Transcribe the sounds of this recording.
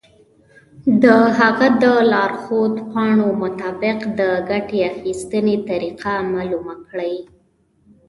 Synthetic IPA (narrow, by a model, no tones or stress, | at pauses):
d̪əɦaɣad̪əlɑɾxod̪pɑɳomʊt̪ɑbɪqd̪əɡaʈeaxist̪ənet̪aɾiqʰamalumakɽaj